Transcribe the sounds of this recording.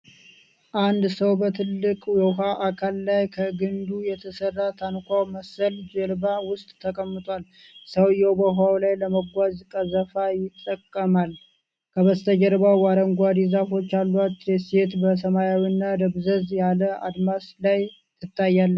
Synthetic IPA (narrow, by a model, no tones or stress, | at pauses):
ʔand̪səwbət̪ʰɨlːɨkʼjɛɦaʔakʰalːajkʰəɡɨnd̪ujɛt̪ʰəsərːat̪ʰankʷawməsəld͡ʒəɾbawʊst̪ʼt̪ʰːəkʼəmːɨt̪ʼwal | səwjɛwbəɦawlajləməɡʷazkʼəzəfajɪt̪ʼːəkʼːəmal | kʰəβəst̪ʰəd͡ʒəɾbawwaɾəŋɡʷad̪izafo̞t͡ʃːalːuat̪ːɾeset̪bəs̬əmajawinːad̪əβzəzjaləa̰d̪maslaj | tɨt̪ʰːajːalːə